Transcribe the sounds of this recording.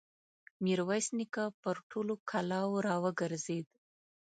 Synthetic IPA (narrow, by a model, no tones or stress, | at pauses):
miɾwajsnikapəɾʈʰolokʰalɑwɾɑwəɡaɾzed̪